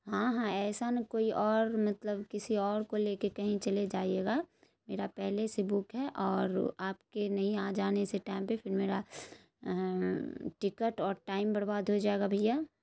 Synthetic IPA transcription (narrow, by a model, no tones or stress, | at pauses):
ɦãɦãɛːsanɐkoːiʔɔːɾmɐt̪ləbkɪsiɔːɾkoleːkekɐɦĩt͡ʃɐled͡ʒaːieːɡa | meːɾapɛɦlesebʊkɦɛʔɔːɾaːpkenɐɦĩaːd͡ʒaːneseʈaːɪmpepʰɪɾmeːɾa | ʈɪkəʈɔːɾʈaːɪmbɐɾbaːd̪ʱɦod͡ʒaːeɡabʱɐjaː